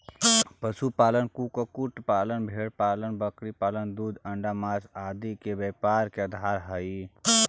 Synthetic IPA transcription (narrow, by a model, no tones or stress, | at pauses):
pəsupaːlənkukokʊʈpaːlənbʱeːɽpaːlənbəkɾipaːlənd̪uːd̪ʱəɳɖamaːsaːd̪ikebeːpaːɾkeəd̪ʱaːɾɦəi